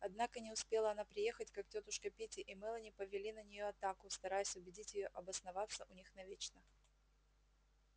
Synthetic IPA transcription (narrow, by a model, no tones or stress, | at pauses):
ɐd̪nakənʲɪʊspʲe̞lˠəɐnapɾʲɪje̞xətʲkaktʲot̪ʊʂkəpʲitʲɪʔɪmɛlˠənʲɪpəvʲɪlʲinənʲɪjoɐt̪akʊst̪ɐɾajʊsʲʊbʲɪdʲitʲjɪjo̞ʔɐbəsnɐvat̪sːəʔʊnʲixnɐvʲet͡ɕnə